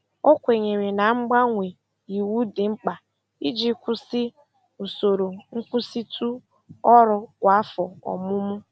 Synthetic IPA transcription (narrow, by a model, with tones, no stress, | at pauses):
o˦kʷe˨ɲe˨ɾe˨na˨ŋ͡m̩˦ɡ͡ba˦ŋʷe˨ | i˨wu˦dɪ˨ŋ͡m̩˦k͡pa˨ | i˦d͡ʒi˦kʷʊ˦sɪ˦ | u˨so˨ɾo˨ŋ̩˦kʷʊ˦si˦tʰu˦ | ɔ˦ɾʊ˨kʷa˨a˦fɔ˨ɔ̰˨mʊ˦mʊ˦